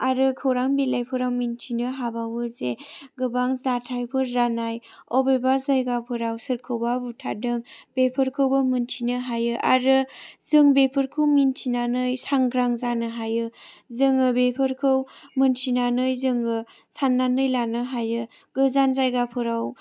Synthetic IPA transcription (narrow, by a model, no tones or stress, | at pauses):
aɾɯkʰɯwɾaŋbilajpʰɯɾawmintʰinɯɦabawɯzeɡɯbaŋzatʰajpʰɯɾːanajɔbebazajɡapʰɯɾawsɯɾkʰɯwbabutʰa̰dɯŋb̥epʰɯɾkʰɯwbɯmɯntʰinɯɦajɯʔa̰ɾɯzɯŋbepʰɯɾkʰɯwmintʰinanɯjsaŋɡɾaŋzanɯɦajɯzɯŋɯbepʰɯɾkʰɯwmɯntʰinanɯjzɯŋɯ | sanːanɯjlanɯɦajɯ | ɡ̥ɯzanzajɡapʰɯɾaw